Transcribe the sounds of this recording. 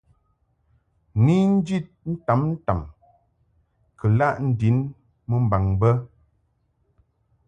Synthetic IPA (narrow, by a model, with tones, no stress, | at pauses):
ni˦n̩˦d͡ʒi˦˨t̚n̩˦ta˨˦mn̩˦ta˨m | kə˨la˦˨ʔn̩˦di˨˦n | mə˦m̩˦˨ba˨ŋbə˦